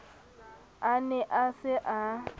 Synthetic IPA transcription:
anɛʔasɪʔa

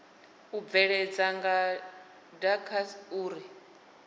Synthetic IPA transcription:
ub̪vɛɺɛd͡zaŋɡa | dakʰasuːɾi

